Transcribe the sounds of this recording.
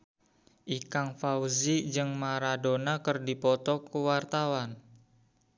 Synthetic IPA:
ʔikaŋfauzid͡ʒɨŋmaɾadonakərdipɔt̪ɔkuwart̪awan

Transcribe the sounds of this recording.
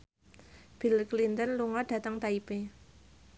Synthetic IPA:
b̥ilklint̪ənluŋɔɖ̥ä̤t̪əŋt̪aipe

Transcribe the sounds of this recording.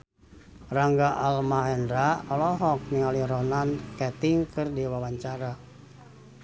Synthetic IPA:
raŋɡaʔalmaɦɛndɾaɔlɔɦɔk̚niŋaliɾɔnankɛt̪iŋkɨrdiwawaɲt͡ʃaɾa

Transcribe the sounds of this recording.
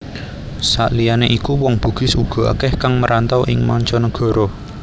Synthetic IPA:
sa̰ʔlijaneʔikuwɔŋb̥ṳɡ̥ɪ̤suɡ̥ɔ̤a̰kɛhkaŋməɾant̪ɔwʔɪŋmɔ̰ɲt͡ʃɔnəɡ̥ɔ̤ɾɔ

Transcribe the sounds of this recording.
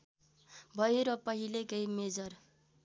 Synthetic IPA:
bʱʌjeɾʌpʌɦilekʌjmed͡zʌr

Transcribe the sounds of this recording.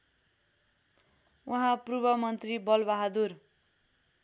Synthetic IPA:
wʔʌɦãprubʌmʌnt̪ribʌlbaɦʌd̪ur

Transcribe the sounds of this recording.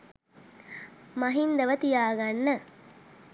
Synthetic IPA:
mɐɦind̪əʋət̪ijaːɡanːə

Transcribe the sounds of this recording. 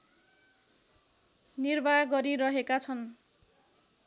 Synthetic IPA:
nirbajɡʌɾiɾʌɦekat͡sʰʌn

